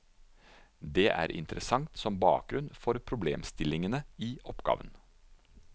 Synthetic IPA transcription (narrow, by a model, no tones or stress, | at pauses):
d̪eːʔæ̰ːɾʔɪ̰nt̪əɾʔəsɑŋt̪sɔmbɑ̰ːk̚ɡɾʉnfɔɾpʰɾʊblḛːmst̪ɪlɪŋənəiːʔɔpɡ̥ɑ̰ːʋən